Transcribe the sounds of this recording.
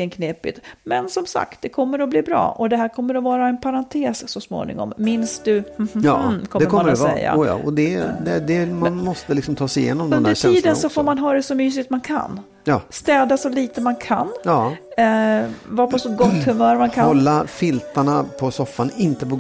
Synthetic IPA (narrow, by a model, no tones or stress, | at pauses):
ənkʰneːpɪ̰t̪mɛnsɔmsa̰kt̪̚d̪ɛkʰɔmːəɾɔbliːbɾɑ̰ːʔɔd̪ɛɦæːɾkʰɔmːəɾɔvɑːɾaɛnpʰaɾant̪ʰeːssɔsmo̰ːnɪ̰ŋɔ̰mːɪnsd̪ɵ̰ː | kʰɔmd̪ɛːkʰɔamːədɛɛ̰jːa̰ɔd̪ɛd̪ɛd̪ɛmanmɔst̪əlɪksɔmt̪ʰɑːsɛɪjḛːnɔmd̪ɵnd̪d̪ɾʈɛiːd̪ənsɔfoːɾmanɦɑːɾɛsɔmyːs̬ɪt̪mankʰa̰nː | jɑːst̪ɛːd̪asɔliːt̪əmankʰa̰njɑ | vɑːpʰɔsɔɡɔt̪ːhɵmœːɾmankʰaɔlːafɪlt̪aɳapʰɔsɔfːanɪnt̪əpɔ